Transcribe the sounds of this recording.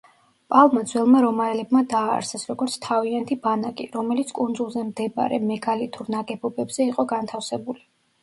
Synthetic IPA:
pʼalˠmad̪zwɛlˠmaɾɔmaɛlɛbmad̪a̰ːɾsʰɛsɾɔɡɔɾt̪sʰt̪ʰaviant̪ʰibanakʼiɾɔmɛlit̪sʰkʼunzulˠzɛmd̪ɛba̰ɾɛ̰mɛɡalit̪ʰʼuɾnaɡɛbɔbɛbz̥ɛiqʼɔɡant̪ʰafsɛbuli

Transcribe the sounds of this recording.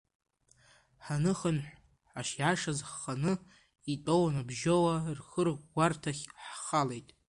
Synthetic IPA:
ħanɨχənħʷ | ħaʃjaʂazħːanɨ | itʼownabʒowarχərʁʷɡʷartʰaχʲħχale̞jtʼ

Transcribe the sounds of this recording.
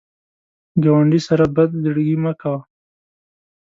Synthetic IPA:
ɡawaɳɖisaɾabɐd̪liɽɡimakaw

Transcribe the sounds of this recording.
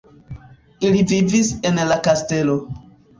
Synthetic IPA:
ilivivise̞nlakaste̞lo̞

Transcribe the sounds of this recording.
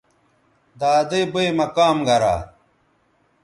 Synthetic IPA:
d̪aːd̪ejbɐjmɐkaːmɡɐɾa̰ː

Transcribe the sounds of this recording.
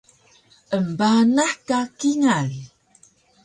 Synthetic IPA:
ʔəmbanaħkakiŋan

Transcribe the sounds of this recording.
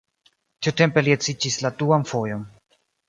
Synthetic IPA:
tiute̞mpe̞liet͡sid͡ʒisladuanfo̞jo̞n

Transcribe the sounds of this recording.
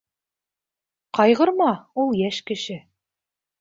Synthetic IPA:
qɑjʁɤ̆ɾmɑulˠjæʃkɘ̆ʃɘ

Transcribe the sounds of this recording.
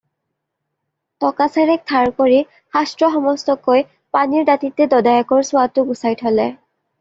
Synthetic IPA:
tɔkasɛɹɛk̚tʰaɹkoɹi | xastɹɔxɔmɔstɔkoj | paniɹdatitːɛdɔdajɔkɔɹsʊatʊɡusajtʰɔlɛ

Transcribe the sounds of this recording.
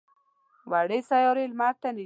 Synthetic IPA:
waɽesajɔɾelmaɾ̚t̪ani

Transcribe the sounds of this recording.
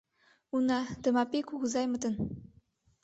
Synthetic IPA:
unɑt̪ə̆mɑpʲekuɣuzɑjmɤ̆t̪ɤ̆n

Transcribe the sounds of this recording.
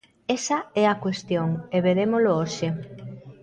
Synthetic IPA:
esɐɛakwest̪joŋeβeɾemolooʃe

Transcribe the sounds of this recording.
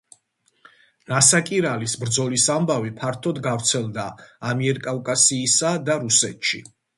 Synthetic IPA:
nasakʼiɾalisbɾd̪zɔlisambavipʰaɾt̪ʰɔd̪ɡavɾt̪sʰɛlˠd̪aːmiɛɾkʼavkʼasiːsad̪aɾusɛt̪ʃḭ

